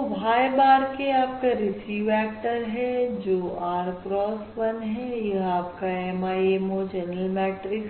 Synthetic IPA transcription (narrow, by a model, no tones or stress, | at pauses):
bʱaːjbaːɾkeaːp̚kaɾɪsiːʋɛːk̚ʈəɾɦɛ̃d͡ʒoːaːɾpɾɔːsʋɐnɦɛ̃jɐɦaːp̚kaɛmaːiemod͡ʒɛnəlmɛːʈɾɪk